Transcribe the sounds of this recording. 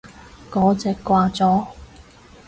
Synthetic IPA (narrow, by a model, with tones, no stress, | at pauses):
kɔː˨˥t͡sɛː˨kːʷaː˧t͡sɔː˨˥